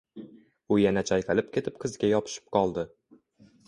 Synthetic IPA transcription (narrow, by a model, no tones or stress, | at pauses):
ʊjanat͡ʃʰajqalɪp̚kʲʰe̞t̪ʰɪp̚qʰɨzɡʲajɒpʰɪ̥ʃɪ̥p̚qʰɒlˠd̪ɪ